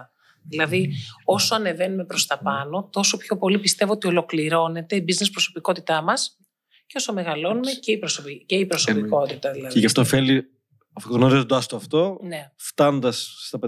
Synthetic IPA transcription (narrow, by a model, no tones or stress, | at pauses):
ðilɐðio̞so̞ɐne̞ve̞nume̞pɾo̞st̪ɐpɐno̞t̪o̞so̞pço̞po̞lipist̪e̞voot̪io̞lo̞kliɾo̞ne̞t̪e̞ibizne̞spɾo̞so̞piko̞t̪it̪ɐmɐs | ceo̞some̞ɣɐlo̞nume̞ce̞ipɾosopice̞ipɾo̞sopiko̞t̪it̪ɐðilɐðeʝɐft̪ofeli | ɐfoɣnoɾizod̪oɐst̪oɐft̪o̞ne̞ft̪ɐnond̪ɐsːt̪ɐpe